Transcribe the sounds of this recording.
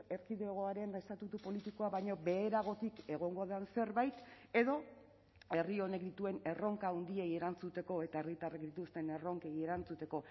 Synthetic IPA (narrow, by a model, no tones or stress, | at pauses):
e̞ɾkiðeoɣ̞o̞aɾe̞nest̪at̪ut̪upo̞lit̪ikoaβajɲo̞be̞ːɾaɣ̞o̞t̪ike̞ɣ̞o̞ŋɡo̞aðanse̞ɾβajt̪ | e̞ðo̞ | erio̞ne̞kd̪it̪ue̞ne̞ro̞ŋkaund̪ie̞je̞ɾant͡sut̪e̞ko̞e̞t̪aerɣit̪arakd̪it̪ust̪e̞ne̞ro̞ŋke̞je̞ɾant͡sut̪e̞ko̞